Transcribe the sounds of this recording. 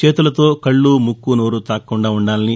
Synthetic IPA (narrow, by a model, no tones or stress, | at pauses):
t͡ʃe̞ːt̪ulɐt̪o̞ːkɐɭːumukːunoːɾut̪aːkːuɳɖaːuɳɖaːlɐni